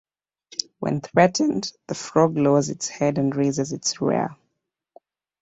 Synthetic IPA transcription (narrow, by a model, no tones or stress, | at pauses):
wɛ̰̃nθɹɛʔn̩ðəfɹɔɡloʊzɪtshɛdə̃nɹeɪzɨzɨtsɹɛ̰